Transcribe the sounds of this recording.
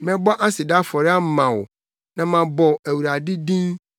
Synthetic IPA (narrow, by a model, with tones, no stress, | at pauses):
mɛ̃˦bɔ˦ʔa˦sɪ˨da˦fɔ˨ɾɪ˦a˦m̩˨mã˨w | nã˨mã˨bɔ˨æ˨wu˨ɾa˨dɪ˦dĩ˦ŋ